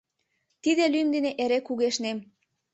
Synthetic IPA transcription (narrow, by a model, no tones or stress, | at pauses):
t̪id̪elymd̪eneʔeɾekuɣeʃnem